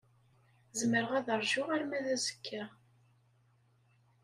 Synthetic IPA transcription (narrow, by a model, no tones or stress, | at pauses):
zəməɾʁæðəɾˤʒʊʁaɾmæðæzə̥kʰːæ